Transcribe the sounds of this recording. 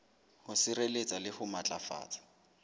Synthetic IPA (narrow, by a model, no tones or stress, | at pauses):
hʊsɪɾelet͡sʼalɪhʊmat͡ɬʼafa̰ːt͡sʼḁ